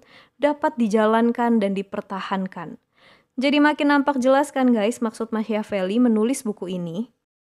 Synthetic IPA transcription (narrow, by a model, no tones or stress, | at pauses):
dapat̪̚did͡ʒalankandandipərt̪ahankan | d͡ʒadimakɪnːampak̚d͡ʒəlaskanɡajsmaksʊt̪̚maʃiafelimənulɪsbukuini